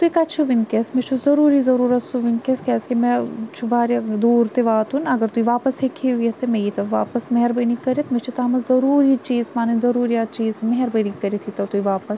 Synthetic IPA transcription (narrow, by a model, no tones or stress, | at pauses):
t̪uikɐt͡ʃʰuʋinkesmet͡ʃʰuzɐɾuːɾizɐɾuːɾɐtsuʋinkeskɛːskimẽt͡ʃʰuʋaːɾɐd̪uːɾt̪eʋaːt̪unɐɡɐɾt̪uiʋaːpɐsɦekʰiɦuiɐt̪emejit̪ɐʋaːpɐsmeɦɐɾbɐnikɐɾet̪met͡ʃʰut̪amɐzɐɾuːɾit͡ʃiːzmaːnɐnzɐɾuːɾijat͡ʃiːzmɐɦɐɾbɐnikːɐɾet̪ʰit̪ɐt̪uiʋaːpɐs